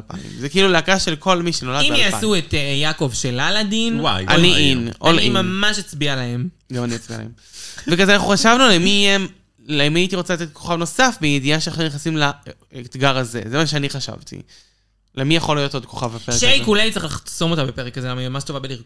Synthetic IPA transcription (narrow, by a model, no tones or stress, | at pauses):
apa̰mḭmzekiiluleakaʃelkʰo̞lmiʃeno̞lad̪imbjasuet̪ejakovʃelalad̪inwajʔa̰niinʔo̰lmamaʃat͡sbialaemɡamaniat͡sbia̰em | vekazɛanaχuχaʃavnulemijem | lemiait̪iʁo̞t͡salat̪̬et̪̚kʰo̞̥χavno̞safmijed̪ijaʃeaχunjeχasimla | et̪ɡaʁazḛzemaʃ̬eaniχaʃa̰vt̪ʰḭ | lemijaχolijo̞t̪o̞d̪̚kʰo̞̥χavbapeekʃejkulatt͡seχlaχso̞mot̪abepeʁekazelamaimamaʃtovabeliʁ